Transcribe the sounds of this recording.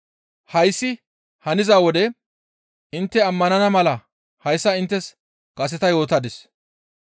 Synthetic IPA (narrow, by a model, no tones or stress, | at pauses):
hɐjsːɪ | hɐnɪzaːwɔd̪ɛ | ʔɪnt̪ːɛɐmːɐnɐnɐmɐlɐ | hɐjsːɐɪnt̪ːɛs | kʼɐs̬ɛt̪ɐjo̞ːt̪ɐd̪ɪs